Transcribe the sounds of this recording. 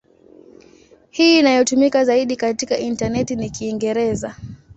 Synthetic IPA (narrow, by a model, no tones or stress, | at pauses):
hiːnajɔtumikazaiɗikatikaʔintanɛtinikiːŋɡɛɾɛza